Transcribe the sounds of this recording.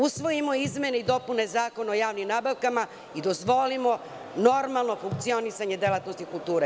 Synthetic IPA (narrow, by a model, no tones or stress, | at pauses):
usʋo̞jimo̞izmʲje̞ne̞id̪o̞pune̞zaːko̞naojaːʋnimnabaʋkama | id̪o̞zʋo̞limo̞ | no̞ɾmalˠno̞fuŋk̚t̪sio̞nisaɲe̞d̪elˠat̪no̞st̪ikulˠt̪uːɾe